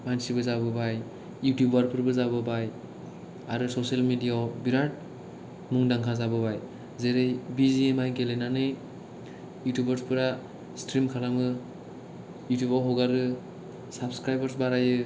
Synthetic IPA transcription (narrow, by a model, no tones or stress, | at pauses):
mansibɯzabɯbaj | jutjubwaɾpʰɯɾbɯzabɯbaj | aɾɯsosalmidijawbiɾat̚ | muŋdaŋkʰazabɯbaj | zeɾɯjbiziemajɡelenanɯj | jutjubəɾspʰɯɾa | stɾimkʰalamɯ | jutjubawɦɔɡaɾɯ | sabskɾajbaɾsbaɾajɯ